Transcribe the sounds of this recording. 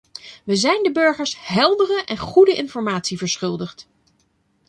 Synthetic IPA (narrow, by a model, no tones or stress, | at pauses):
ʋəzɛjndəbɵɹχəɹsɦɛlˠdərəʔɛnχudəʔɪnfɔɹmaːtsivəɹsχɵlˠdəχt